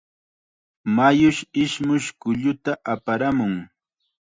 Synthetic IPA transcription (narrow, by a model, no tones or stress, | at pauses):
majʊʃɪʃmʊʃkʊʎʊt̪aʔapaɾamʊŋ